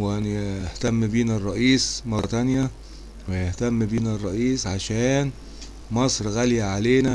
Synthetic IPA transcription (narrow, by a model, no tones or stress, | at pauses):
wʔæniht̪æmːbiːnærˤːɑʔiːsmɑɾˤt̪ænjæ | wejeht̪æmːbiːnærˤːɑʔiːsʕaʃæːn | mɑsˤɾɣæljæʕaleːnæ